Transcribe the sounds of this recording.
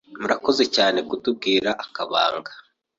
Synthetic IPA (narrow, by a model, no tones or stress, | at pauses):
muɾako̞ze̞caːne̞kutub̚ɡiːɾaʔːkaβa̰ːŋɡa